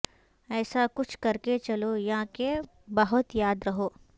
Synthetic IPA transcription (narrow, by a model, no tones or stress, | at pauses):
ɛːsakʊt͡ʃʰkɐɾket͡ʃɐlojɐɦãke | bɐɦʊt̪jaːd̪ɾɐɦoː